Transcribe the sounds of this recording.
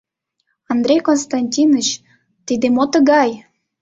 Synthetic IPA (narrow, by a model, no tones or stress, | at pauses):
ɑnd̪ɾʲejkonst̪ɑnʲtʲinə̆t͡ɕ | t̪id̪emot̪əɣɑj